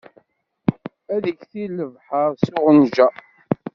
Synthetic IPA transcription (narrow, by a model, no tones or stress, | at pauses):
æðəçθilːəvħəɾˤsʊʁənʒæ